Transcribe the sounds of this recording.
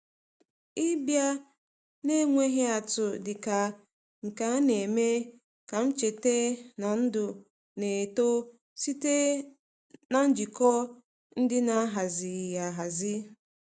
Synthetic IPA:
ɪ˦bja˦ | ne˦ŋʷe˦ɦe˦a˨tʊ˨dɪ˨ka˨ | ŋ̩˨ka˨˦ne˨me˦ | ka˨m̩˦t͡ʃe˨te˦na˨n̩˦dʊ˨ | ne˨to˦ | si˦te˦ | na˦n̩˦d͡ʒi˨kɔ˦ | n̩˦dɪ˦na˦ɦa˨zɪ˨ja˨ɦa˨zɪ˦

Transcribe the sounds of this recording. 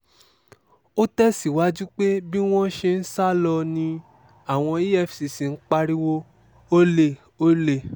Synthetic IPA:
o˦tɛ˦si˨wa˨˦d͡ʒu˦k͡pe˦bi˦w̃ɔ̃˦ʃe˧n̩˦sa˦lɔ˧nĩ˧ | a˦˨w̃ɔ̃˧i˦ɛ˦˨fsi˨si˨n̩˦k͡pa˧ɾi˦wo˦ | o˦le˦˨ | o˦le˦˨

